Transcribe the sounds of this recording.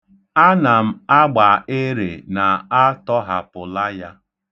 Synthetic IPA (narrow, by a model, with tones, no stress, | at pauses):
a˦na˨m̩˦a˦ɡ͡ba˨e˦ɾḛ˨na˨a˦tɔ˦ɦa˨pʊ˨la˦ja˦